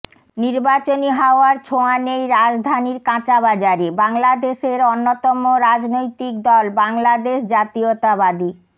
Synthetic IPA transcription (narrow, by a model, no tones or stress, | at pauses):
niɾbat͡ɕoniɦaoaɾt͡ɕʰoanejɾad͡ʑd̪ʱaniɾkãt͡ɕabad͡ʑaɾibaŋlad̪eʃeɾonːot̪ɔmoɾad͡ʑnojt̪ik̚d̪ɔlbaŋlad̪eʃd͡ʑat̪iot̪abad̪i